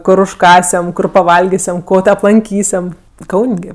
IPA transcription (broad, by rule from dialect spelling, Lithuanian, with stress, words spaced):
ˈkoːr ʊʃˈkɑːsʲɛm ˈkʊr pɐˈʋɐlʲɡʲɪsʲɛm ˈkoː tʲeː ɐplˠɐŋʲˈkʲiːsʲɛm ˈkɐʊnʲ ɡʲɪ